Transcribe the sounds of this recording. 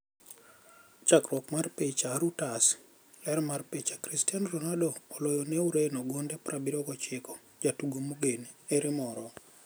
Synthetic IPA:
t͡ʃakɾɔkmarpet͡ʃaɾutas | lɛɾmarpet͡ʃakɾistianrɔnadoːlojɔnɛuɾenɔɡondɛpɾabiɾɔɡɔt͡ʃɪkɔ̥ | d͡ʒatuɡomuɡeneɾɪmɔɾɔ

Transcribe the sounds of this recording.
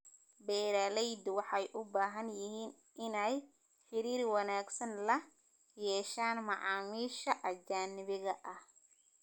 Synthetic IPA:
bɛːɾaːlɛjd̪wɑħɑjʔʊbaːɦɐnjɪɦiːn | ʔɪnɛj | ħɪɾiːrwɑnaːɡsɐnlɐ | jɛːʃaːnmɑʕɑːmiːʃɐʔɐd͡ʒaːnɪβɪɣɐʔɐh

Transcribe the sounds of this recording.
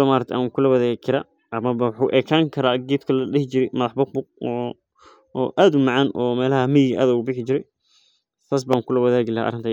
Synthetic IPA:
ɔmaːɾɐk̚t̪ʰʔaːŋkʰʊlɐwɐðaːɣkʰɪɾaː | ɐmɐbɐwħuːʔɛːkʰaːŋkʰɐɾaːɡiːtkʰɐlɐɗɛht͡ʃɪɾɛjmɐðɑħbʊq̚bʊq̚ɔː | ʔaːd̪ʊmɑʕɑːnʔɔːmɛːlɐɦɐmɪjɪɣʔa̰ːðʊɣʊbɪħɪt͡ʃɪɾɛj | t̪ʰaːs̬baːŋkʰʊlɐwɐðaːɣɪlɐɦʔɐ̰ɾɪnt̪ʰː

